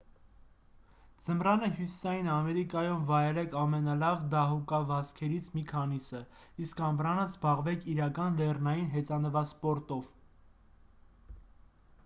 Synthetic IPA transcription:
d͡zəmrɑnəɦjusi̥sɑjinɑmɛɾikɑjumvɑjɛlɛkʰɑmɛnɑlɑvd̪ɑɦukɑvɑskʰɛɾit͡sʰmikʰɑnisə | iskɑmbɾɑnəzbɑʁvɛkʰiɾɑkɑnlɛrnɑjinɦɛt͡sɑnəvɑspɔɾt̪ɔv

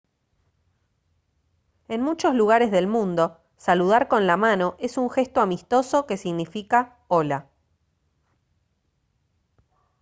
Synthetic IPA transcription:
e̞nmut͡ʃo̞zluɣaɾezðe̞lmũnd̪o̞ | saluð̞aɾko̞nlamano̞ʔe̞suŋxe̞st̪oamist̪o̞so̞ke̞siɣnifika | ola

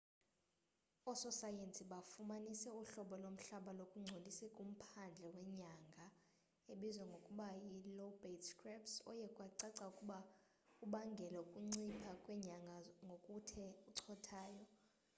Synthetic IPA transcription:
ɔsɔsajentʼiɓafumanisɛuɬɔɓɔlom̩ɬaɓalokʼuŋ͡ǀʱolisɛkʼum̩pʰand͡ɮʱɛwɛɲaŋɡʱa | eɓizwɛŋɡʱokʼuɓajilobetskrɛpsɔ̰jɛkʼwaǀaǀaukʼuɓa | uɓaŋɡʱɛlɛukʼuŋ͡ǀipʰakʼwɛɲaŋɡʱaŋɡʱokʼutʰɛuǀʰɔtʰaːjɔ

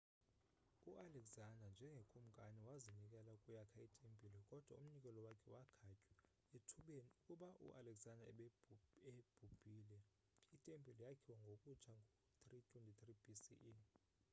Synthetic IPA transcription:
uʔalɛɡzandʱand͡ʒʱɛŋɡʱekʼum̩kʼaniwazinikʼɛlakʼujakʰaitʼempʼilɔkʼɔd̥ʱwaum̩nik̬ʼɛlɔwakʰɛwakʰacʼwɛ | enkʼuɓaʔṵʔalɛɡzandʱa | eb̥ʱub̥ʱiːlɛ | itʼempʼilɔjakʰiwaŋɡʱokʼut͡ʃʰaŋʱ | t̪ʰritʼwentʼit̪ʰrib̥isiʔ

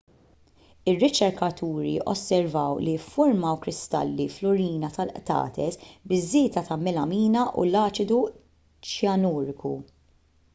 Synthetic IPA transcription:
ɪrːɪt͡ʃɛɾkɐt̪ʰuːɾḭʔɔ̰sːɛɾvɐwlifːʊɾmɐwkɾɪst̪ɐ̰lːiflʊɾiːnɐt̪ɐlʔt̪ɐ̰ːt̪ɛsbɪzːɪːt̪ɐt̪ɐmɛlɐmiːnɐʔṵlɐːt͡ʃɪd̪u | t͡ʃjɐnɔːɾɪkṵ

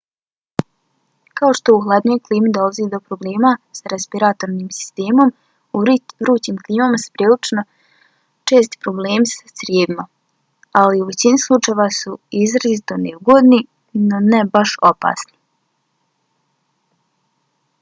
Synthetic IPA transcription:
kaoʃt̪o̞uxlˠad̪ɲo̞jklˠiːmid̪o̞laziːd̪o̞pɾo̞ble̞ːmasaɾespiɾat̪oɾniːmsi̥st̪e̞ːmo̞m | uɾuːt͡ɕiːmkliːmamasu̥pɾiːlit͡ʃno̞ | t͡ʃeːs̬t̪i̥pɾo̞ble̞ːmisasɾjeːd̪ima | aliuʋe̞t͡ɕinislˠut͡ʃaeʋasuizɾazit̪oneuɡod̪ni | no̞nɛbaʃo̞pa̰ːsni̥

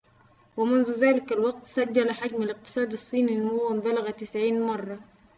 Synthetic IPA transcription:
wɪmʊnzuzaːlɪkalwɑɡ̚t̪sad͡ʒːalaħad͡ʒmalɪq̚t̪ɨ̥sˤɑːd̪ɑsˤːiːniɪnːamʊwːambalaɣat̪ɪsʕiːnmɑrˤːɑ

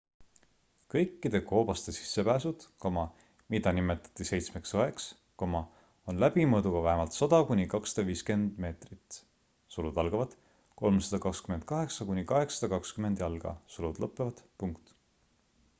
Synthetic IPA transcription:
kɤ̞jkːid̪̥e̞ko̞ːb̥ɑst̪e̞si̥sːe̞pæːsud̪̥komɑ | mid̪̥ɑnime̞t̪ːˑɑ̥t̪ːˑise̞jt̪sme̞ksoɦe̞ks | komɑ | onlæbimɤːd̪uɡ̥ɑvæɦemɑlt̪sɑd̪̥ɑkunʲikɑksɑ̥d̪̥ɑviːske̞nd̪̥me̞ːt̪rit̪ˑ | sulud̪ɑlɡ̥ɑvɑd̪̥ | ko̞lmsɑd̪̥ɑkɑkskyme̞nd̪̥̚kɑɦe̞ksɑkunʲikɑɦe̞ksɑ̥d̪̥ɑkɑkskyme̞nd̪jɑlɡ̥ɑ̰sulud̪̥lɤpːˑevɑd̪̥puŋkt̪

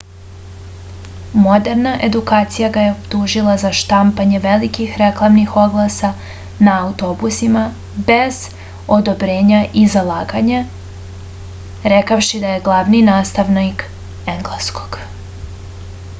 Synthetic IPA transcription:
mo̞d̪eɾnaʔe̞d̪ukaːt̪sijaɡaje̞opt̪uːʒilˠazaʃt̪ampaɲe̞ʋelikixɾeklˠamnixo̞ɡlˠasa | naːut̪o̞busima | be̞z̥ | o̞d̪o̞bɾeːɲaʔizalˠaːɡaɲa | ɾekawʃid̪aje̞ɡlˠaʋninaːst̪aʋnak | eŋɡlaskʰo̥ɡ̥

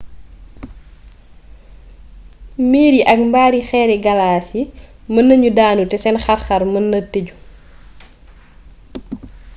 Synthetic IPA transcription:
miːɾiʔɐk̚mbaːɾixɛːɾɛɡɐlaːsimɐnːɐɲudaːnutɛsɛnxɐrxɐɾmɐnːɐteɟu

